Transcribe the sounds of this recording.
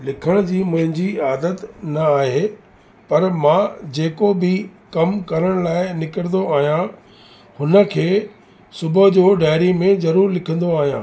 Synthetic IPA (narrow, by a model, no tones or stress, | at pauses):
lɪkʰəɽ̃d͡ʑiːmʊ̃ɦɪ̃ɲd͡ʑiaːd̪ət̪nɐaːɦe | pɐɾmãːd͡ʑeːkobɪkɐmkɐɾəɽ̃laːɪnɪkəɾə̃nd̪oaːɦijã | hʊnə̆kʰeː | sʊbəd͡ʑoːɖaːɪɾimẽzɐɾuːɾlɪkʰə̃nd̪oaːɦijãː